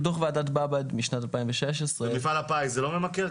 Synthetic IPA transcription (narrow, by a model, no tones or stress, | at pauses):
t̪̬oχveaːdat̪babadmiʃnatalpaĩmveʃeʃ̬esʁemifalapajzelo̞memakeʁ